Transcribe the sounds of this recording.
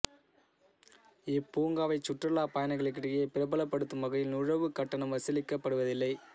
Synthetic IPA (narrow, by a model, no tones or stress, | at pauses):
ɪpːuːŋɡaːʋɐɪt͡ʃːʊʈrɐlaːpɐjɐnɐɪɣɐɭɐkːɪɽɪjepɪɾɐbɐlɐpːɐɽɯt̪ːɯmɐɣɐjɪlnʊɻɐʋɯkɐʈːɐɳɐmʋɐsɪlɪkːɐpːɐɽɯʋɐðɪlːɐɪ